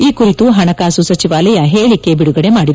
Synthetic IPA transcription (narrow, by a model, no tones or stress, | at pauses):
iːkuɾit̪uɦɐɳɐkaːsusɐt͡ʃiʋaːlɐjɐɦeːɭikːe̞biɽuɡɐɽe̞maːɽid̪